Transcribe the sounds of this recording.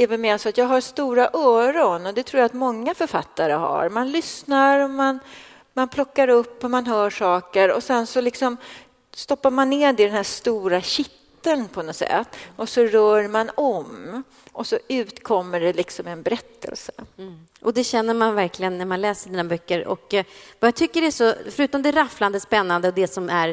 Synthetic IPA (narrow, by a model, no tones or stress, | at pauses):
ɛɾvɛlmeːɾasɔat̪jɑːɡɦaɾst̪uːɾaʔœːɾɔnɔd̪ɛt̪ʰɾuːjaːt̪mɔŋːafœɾfat̪ːaɾəɦa̰ɾmanlʏsnaɾɔman | manpʰlɔkːaɾɵpːɔmanɦœːʂɑːkəɾɔ̰sɛnsɔlɪksɔm | st̪ɔpːaɾmanːɪːd̪ɪd̪ɛnɦæːʂt̪uːɾaɕɪt̪ːənpʰɔnɔsɛ̰t̪ːʔɔsɔɾœːɾmanɔm | ʔɔsɔʉ̟ːt̪kʰɔmːəɖɛlɪksɔmɛnbɛɾɛt̪ːə̰lsə | ʔɔd̪ɛɕɛnːəɾmanvæɾklɪɡənːæɾmanlɛːsəʂɖinːabœkːəɾɔ̰kvajat̪ʰʏkːəɾæʂɔfœɾʉ̟ːt̪ɔmd̪ɛːɾafland̪əspɛnːand̪əɔd̪ɛsɔmæɾ